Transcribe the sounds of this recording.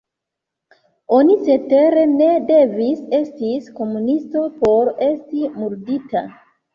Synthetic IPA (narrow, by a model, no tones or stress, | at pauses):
o̞nit͡ʃe̞te̞ɾe̞ne̞de̞vise̞stisko̞munisto̞po̞ɾe̞stimuɾdita̰